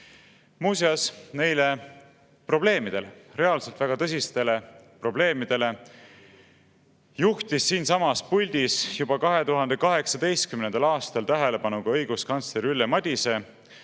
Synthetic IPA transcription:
muːseɑsne̞jle̞ | pro̞b̥le̞ːmid̪̥e̞lere̞ɑlse̞lt̪væɡ̥ɑt̪ɤs̬ʲist̪e̞le̞pro̞ble̞ːmid̪̥e̞le̞ | juht̪isːiːnsɑmɑspulʲd̪̥isjub̥ɑkɑɦe̞t̪uɦɑnd̪̥e̞kɑɦe̞ksɑd̪e̞jst̪̚kymnend̪̥ɑlɑːst̪ɑlt̪æɦe̞le̞bɑnuɡ̥ɑɤjɡ̥uskɑnt̪sleɾylːemɑd̪̥ʲise̞

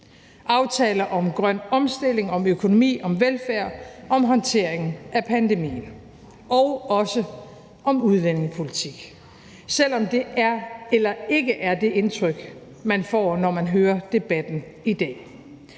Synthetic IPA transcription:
ʔɑ̈ʊt͡sʰɛːlɐʔɒ̽mɡ̥ʁɶn̰ɒ̽msd̥e̝le̝ŋɒ̽møkʰo̝no̝mḭːɒ̽mʋelfæɐ̰ɒ̽mɦɒ̽nt͡sʰe̝ɐ̰eŋn̩æpʰænd̥emḭːn̩ | ʔɒ̽ʊɒ̽sə | ʔɒ̽muð̞ˠʋen̰eŋpʰo̝lit͡sʰiɡ̥ | sel̰ɒ̽md̥e̝ʔæɐelɐe̝ɡəʔæɐd̥e̝ʔe̝nt͡sʰʁœɡ̥ | mænfɒ̰ːnɒmænɦøːɐd̥e̝b̥æd̥n̩ | id̥ɛ̰ː

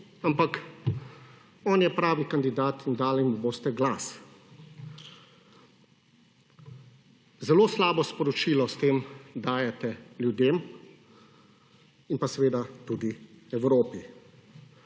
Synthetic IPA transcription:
ampak | ɔːnjɛpɾaːʋikand̪id̪aːt̪ind̪aːlimuboːst̪ɛɡlaːs | zɛloːslaːbɔspɔɾɔt͡ʃiːlɔst̪eːmd̪aːjɛt̪ɛljud̪eːm | inpasɛʋeːd̪at̪ud̪iɛwɾoːpi

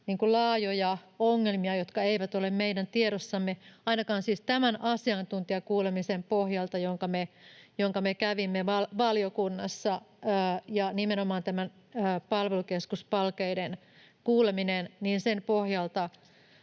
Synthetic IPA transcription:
niːŋkulɑːjojɑoŋːelmiɑjot̪kɑeiʋæt̪olemmeidænt̪ieɾosːɑmːeɑinɑkɑːnsiːst̪æmænʔɑsiɑnt̪unt̪iɑkuːlemisempohjɑlt̪ɑjoŋkɑmejoŋkɑmekæʋimːeʋɑlʋɑljokunːɑsːɑː | jɑnimenomɑːnt̪æmænː | pɑlʋelukeskuspɑlkeiden | kuːleminenniːnsempohjɑlt̪ɑ

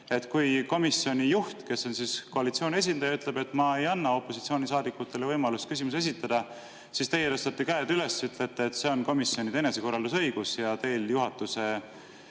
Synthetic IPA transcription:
e̞t̪ːkujko̞misːio̞nʲijuht̪ke̞sːo̞nsisko̞ɑlit̪sioːnʲie̞s̬ʲind̪̥ɑjɑyt̪ːˑle̞b̥e̞t̪ːˑmɑe̞jɑnːɑo̞pːˑo̞si̥t̪sio̞ːnʲisɑːd̪ikːˑut̪ˑːe̞levɤjmɑlust̪kys̬ʲimuse̞s̬ʲit̪ːˑɑd̪̥ɑ | sist̪e̞jːeɾɤst̪ɑt̪ːikæːd̪yle̞syt̪let̪ːeːt̪se̞o̞nko̞misːio̞nit̪eneseko̞rɑld̪us̬ɤ̞jɡ̥usjɑt̪e̞ːljuɦɑt̪ːˑuse̞

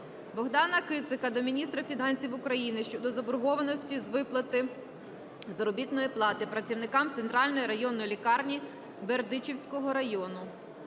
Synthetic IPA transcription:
bɔɦd̪ɑnɐkɪt̪sɪkɐd̪ɔmʲinʲist̪ɾɐfʲinɑnʲsʲiwʊkɾɐjinɪʃt͡ʃɔd̪ɔzɐbʊɾɦɔʋɐnɔsʲtʲizʋɪplˠɐt̪ɪ | zɐɾɔbʲit̪nɔjiplˠɑt̪ɪpɾɐt͡sʲiwnɪkɑmt̪sent̪ɾɑlʲnɔjiɾɐjɔnːɔjlʲikɑrnʲi | berd̪ɪt͡ʃiwsʲkɔɦɔɾɐjɔnʊ

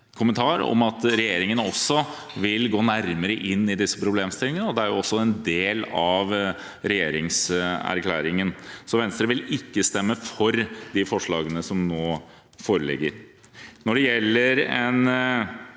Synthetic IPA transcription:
kʰʊmənt̪ʰɑːɾɔ̰mɑt̪ɾɛjeːɾɪŋənɔsːɔ | ʋɪlɡoːnæɾməɾəʔɪnːɪd̪ɪsːə̥pʰɾʊbleːmst̪ɪlːɪŋənəɔd̪ɛæɾjʊɔsːɔɛnd̪eːlɑʋ | ɾɛjeːɾɪŋsæ̰ɾkʰlæːɾɪŋənsɔʋɛnst̪ɾəʋɪlɪkːəst̪ɛmːəfɔɾd̪ɪfɔʂɭɑːɡənəsɔmnoː | foːɾəlɪ̰ɡːəɾ | nɔɖɛjɛlːəɾɛn

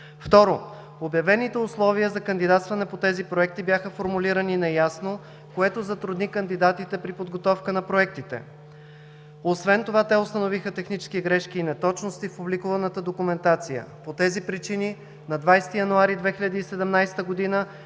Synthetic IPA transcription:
ft̪ɔɾo | objɐvɛnit̪ɛʊslˠɔvijəzɐkənd̪id̪at̪st̪vɐnɛpot̪ɛzipɾoɛk̚t̪ibjaxəfoɾmuliɾəninɛjasno | koɛt̪ozɐt̪ɾʊd̪nikɐnd̪id̪at̪it̪ɛpɾipod̪ɡot̪ɔfkənɐpɾoɛk̚t̪it̪ɛ̰ | osvɛnt̪ovat̪ɛʊst̪ənovixət̪ɛxnit͡ʃɛ̥skiɡɾɛʃkiːnɛt̪ɔt͡ʃnost̪ifpublikuvɐnət̪əd̪okumɛnt̪at̪sijə̰pot̪ɛzipɾit͡ʃini | nɐd̪vajst̪ijɐnuaɾid̪vɛxilʎʲɐd̪iːsɛd̪ɛmnajst̪əɡod̪inə

